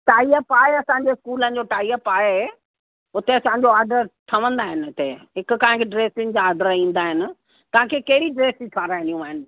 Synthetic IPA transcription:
ʈaːiəpaːeɐsãːɲ̆d͡ʑeɪskuːlənɪ̆d͡ʑoʈaːiəpaːɦe | ʊt̪eɐsãːɲ̆d͡ʑoaːɾɖəɾʈ̪ʰɐʋə̃nd̪aːɦɪnɪt̪eɦɪkʊ̆kãːɪ̃kʰeɖɾeːsɪnd͡ʑaːɾɖəɾĩːnd̪aːɦɪnɪ̆ | t̪ɐʋ̤ãkʰeːkɐɦɪɾiɖɾeːsitʰaːɾaːɦɪ̃nijũaːɦɪnɪ̆

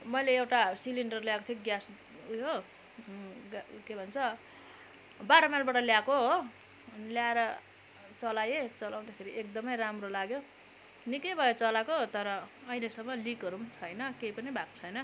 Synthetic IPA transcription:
mʌjleewʈasiliɳɖʌrljakot̪ʰiɡjas | jo | ɡkebʱʌnt͡sʰʌ | baɾʌmjalbaʈʌljakoɦo | ljaeɾʌ | t͡sʌlajet͡sʌlaw̃d̪akʰeɾiʔek̚d̪ʌmʌjramrolaɡjo | nikʌjbʱʌjet͡sʌlakoɦt̪ʌɾʌ | ʌjlesʌmːʌlikʌɾumt͡sʰʌjnʌkejpʌnibʱako̥t͡sʰʌjnʌ

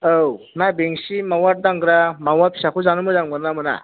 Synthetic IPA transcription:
ow | nabeŋsimawaɾ̚daŋɡɾamawapʰi̥sakʰuzanumɯzaŋmɯnamɯna̰

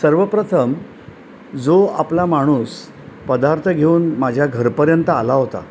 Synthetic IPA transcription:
səɾʋəpɾət̪ʰəm | d͡zoaplamaɽ̃uːs | pəd̪aɾt̪ʰəɡʱeuːnmad͡ʑʱjaɡʱəɾpəɾjənt̪əalaɦot̪a̰

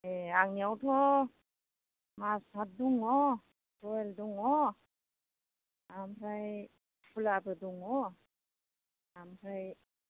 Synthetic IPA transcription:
eaŋniawtʰɔ | mashat̚duŋɔ | tɔelduŋɔ | amɾaj | pʰulabɯduŋɔ | amɾaj

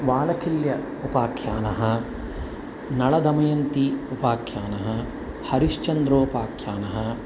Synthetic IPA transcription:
ʋaːlɐkʰiljɐ | upaːkʰjaːnɐɦɐ | nɐɭɐd̪ɐmɐjɐnt̪iupaːkʰjaːnɐɦɐ | hɐɾiʃt͡ʃɐnd̪ɾoːpaːkʰjaːnɐɦɐ̆

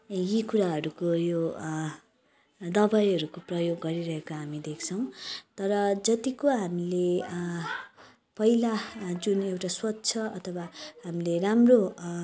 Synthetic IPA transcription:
jikuɾaɦʌɾukojo | d̪ʌbajɦʌɾukoprʌjoɡːʌɾiɾʌɦekoɦamid̪ekʰt͡sʰʌw̃t̪ʌɾʌd͡zʌt̪ikoɦamile | pʌilad͡zunewʈaswʌtːt͡sʰʌʌt̪ʰʌwahamileramro

